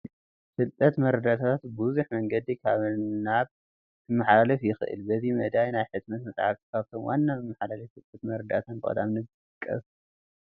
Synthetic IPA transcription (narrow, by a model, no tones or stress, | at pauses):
sɨlt̪ʼːɐt̪mɐɾɐd̪at̪ʰaat̪buzuħmɐŋɡɐd̪ikʰaβnaβ | t̪ʰɨmːaħalalɐfjɪxɨ̰ʔɨ̰lbɐzimɐd̪ajnajħɨt̪mɐt̪mɐt̪ʼʕa̰ɾt̪i̥kʰaβt̪ʰomwa̰nːamɨmːaħalalɐfsɨlt̪ʼːɐt̪mɐɾɐd̪at̪ʰɐnbɨkʼɐ̰d̪amnɨɡɨɨkʼːɐ̰s